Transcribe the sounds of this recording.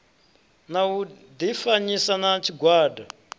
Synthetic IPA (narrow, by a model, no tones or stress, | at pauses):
nau | d̪ifaɲisanat͡ʃiɡʱwaːdʱa